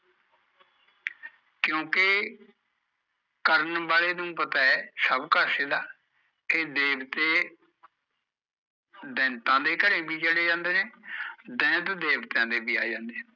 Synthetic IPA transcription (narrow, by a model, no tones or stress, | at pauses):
kjõːkɪ | kəɾənbaːleːnũːpət̪aːɛsəbkəɾseːd̪aː | ked̪eːbt̪eː | d̪ɛ̃ːnt̪ãːd̪eːkəɾẽːbʱiːt͡ʃəleːd͡ʒãːnd̪eːnẽːd̪ɛ̃ːt̪d̪eːbt̪ãːd̪eːbiːa̰ːed͡ʒãːnd̪eː